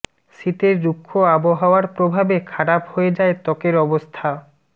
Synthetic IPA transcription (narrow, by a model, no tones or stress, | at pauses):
ʃit̪eɾd͡ʑukʰːoaboɦaoaɾpɾobʱabekʰaɽaphoed͡ʑaet̪ɔkeɾɔbost̪ʰa